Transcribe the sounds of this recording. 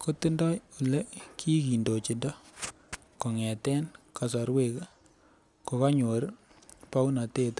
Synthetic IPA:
ko˦ti˦ndɔ˦ju˨le˦ki˦ki˨ndo˨t͡ʃi˨ndɔ˦ | ko˨ŋɛ˨tɛ˦nka˨s̬a˨ɾwe˦k | ko˨ka˦ɲo˨ɾ | pa˦u˦na˨teː˦t

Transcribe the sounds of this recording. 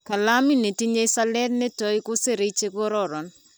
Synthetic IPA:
ka˨la˦mi˦ne˨ti˦ɲe˦sa˦lɛ˦tne˦tɔ˨˦i˦kʊ˦se˦ɾe˨˦i˦t͡ʃe˦kɔ˦ɾɔ˦˨ɾɔ˨n

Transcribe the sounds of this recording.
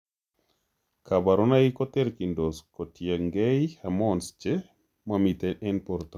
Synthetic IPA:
ka˨ba˨ɾɔna˦i˦kɔ˦t̪ɛ˦ɾki˨ndo˨sko˨tje˨ŋɡɛhamɔnst͡ʃe | mami˨t̪ɛʔɛ˦npoɾt̪

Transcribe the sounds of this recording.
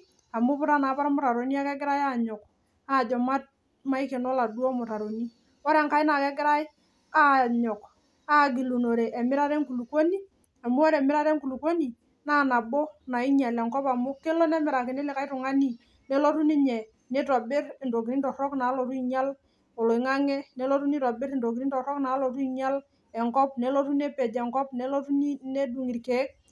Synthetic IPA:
a˨mʊ˦pʊ˦ɾa˦na˨˦pa˦ɾmʊ˨ta˨ɾo˨ni˦a˦kɛ˦ɡɪ˦ɾa˦ja˦˨ɲɔ˨k | a˨d͡ʒɔ˨ma˦t̚ | ma˦ɪ˦ke˨nɔ˦la˨du˦ɔ˦mʊ˨ta˨ɾo˨ni˦ | wo˦ɾɛ˨ŋka˦ɪ˦na˨kɛ˦ɡɪ˦ɾa˦jɪ˦ | a˦˨ɲɔ˨k | a˦˨ɡi˨lu˨no˨ɾe˨ʔɛ˨mɪ˦ɾa˦ɾɛ˦ŋku˨lu˨ko˦ni˦ | a˨mʊ˦wo˦ɾɛ˨mɪ˦ɾa˦ɾɛ˦ŋku˨lu˨ko˦ni˨ | na˦˨na˨bɔ˦na˨ɪ˦ɲa˨lɛ˨ŋkɔ˦pa˨mʊ˦ke˦lɔ˦nɛ˦mɪ˨ɾa˨kɪ˨nɪ˦lɪ˨ka˦ɪ˦tʊ˨ŋa˦ni˦ | ne˦lo˦tu˦nɪ˦ɲɛ˨ | ne˦tɔ˨bɪ˦ɾnto˨ki˨ɾi˦ntɔ˨ɾɔ˦kna˨˦lɔ˨tu˦i˨ɲa˦l | o˨lɔ˨i˨ŋa˦ŋɛ˦ne˦lo˦tu˦ni˦tɔ˨bɪ˦ɾnto˨k̬i˨i˦n˦tɔ˨ɾɔ˦kna˨˦lɔ˨tu˦i˦ɲa˦l | ɛ˨ŋkɔ˦p̚ne˦lo˦tu˦ne˦pɛ˨d͡ʒɛ˨ŋkɔ˦pne˦lo˦tu˦ni˦ne˦du˨ŋi˨ɾke˨˦k̚

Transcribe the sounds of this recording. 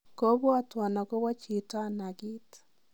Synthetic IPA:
ko˦βwa˦twa˨na˨ko˦wa˦t͡ʃi˨ta˦na˨ɡi˦t

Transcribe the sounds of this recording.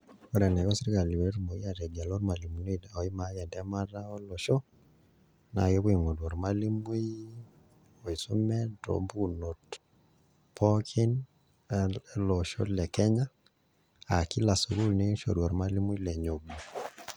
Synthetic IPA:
o˦ɾɛ˨na˨jɔ˦si˦ɾi˦ka˨li˨we˨˦ɾmo˨i˦a˨ɾɛ˨da˨lɔ˦ɾma˨li˨mu˨ne˦ɔ˨i˦ma˨jɛ˨ndɛ˦ma˦ɾa˦ɔ˦lɔ˨ʃɔ˦ | na̰˨je˦βwe˨ŋo˨dwɔ˨ɾma˦li˦mu˦i˦ | o˨i˨su˦mɛdo̰˨mbu˦no˨t | pʰɔ˦kʰi˦n | lɔ˨ʃɔ̰˦lɛ˨kɛ˦ɲa˦ | a˨ki˦la˨so˨ɾu˦lne˦ʃo̰˨ɾwɔ˨ɾma˦li˦mu˦i˦lɛ˨ɲo˨ɡo˨

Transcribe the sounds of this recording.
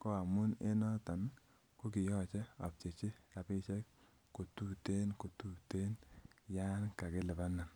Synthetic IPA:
ko˦a˨mʊ˦ne˦nɔ˦ta˨n | ko˦ki˨jɔ˦t͡ʃɛ˦ɔ˨p̚t͡ʃe˨t͡ʃi˦a˨pɪ˦t͡ʃɛ˦k | ko˨tu˦te˦nko˨tu˦te˦nja˦nka˨kɪ˦lɛ˨ba˦nːa˨n

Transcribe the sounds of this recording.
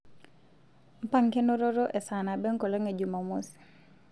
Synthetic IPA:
m̩˦pa˦ŋke˦no˦ɾo˦ɾo˦ʔe˨sa˨na˨bɛ˦ŋ˦ko˨le˦ŋe˨d͡ʒu˨ma˨mu˦si̥˨

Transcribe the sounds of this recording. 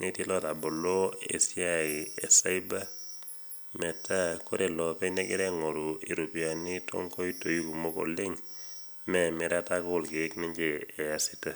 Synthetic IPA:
neti˦lɔ˦ta˨bo˨lo˦ḛ˨sjai˨e˨sa˦iba˦ | mɛ˨ta˦ko˦ɾe˨lɔ˨pɛ˦ɲa˦kɪ˦ɾɛ˦ŋo˨ɾu˨i˨ɾu˨pja˨ni˦tʰɔ̰˦ŋkɔ˦i˦to˨ji˦ku˨mo˦ko̰˨lɪ˦ŋ | mɛme˦ɾa˦tako˦ʊ˨lkeː˨˦kne˦ɲd͡ʒeː˨asita

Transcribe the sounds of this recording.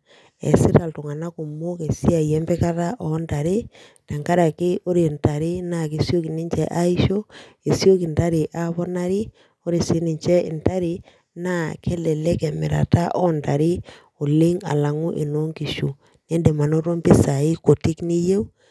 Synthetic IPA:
ḛ˨si˦ɾa˨ltʊ˨ŋa˨na˦ku˨mo˦ke˨si˦a˨jɛ˦mbɛ˦ka˦ta˦ʔɔ˨nta˨ɾi˦ | ta˨ŋka˦ɾa˨kɪ˦o˦ɾe˨nta˨ɾi˦na˦˨ki˨sjo˦ki˨ni˦ɲt͡ʃɛ˦ʔa˦i˦ʃo˦ | e˨sjo˦ki˨nta˦ɾi˨ʔa˦βɔ˦na˦ɾi˦ | o˦ɾi˨si˦ni˨ɲt͡ʃɛ˦ɪ˨nta˦ɾi˨ | na˦kʰe˦lɛ˨le˦kɛ˨mɪ̰˨ɾa̰˨ta˦ʔɔ˦nta˨ɾi˦ | o˨li˦ŋa̰˨la˨ŋu˦ʔḛ˨no˦ŋki˨ʃu˨ | ne˦nde˨ma˨no˦ɾo˦mbi˦sa˨i˦ko˨ti˦kni˦je˦w

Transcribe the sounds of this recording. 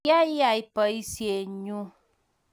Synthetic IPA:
a˦i˦a˨i˦pə˨i˦si˨˦e˨ɲũ˦

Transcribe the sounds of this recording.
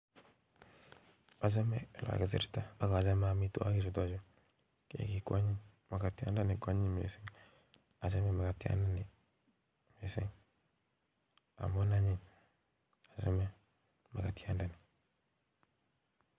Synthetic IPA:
a˨d͡ʒa˦mɛ˦˨la̰˨ɡa˨zḭ˨ɾta˦a˨ka˨d͡ʒa˦m˦a˨mi˨˦tṵ˨˦a˦ɡi˦zu˨dɔ˦˨d͡ʒo˦ | kḛ˨ki˨kʷa˦ɲi˦ | ma˨ka˨ti˦a̰˦n˦da˦ni˨kwa˦ɲi˦ɲ˨mḛ˨se˦ŋ | a˨d͡ʒa˦me˦˨ma˨ka˨ti˦a̰˦nda˦ni˨ | me˨sḛ˦ŋ | a̰˨mo˦na˦ɲi˦˨ɲ | a˨d͡ʒa˦me˦ | ma˨ka˨ti˦a˦nda˦ni˨

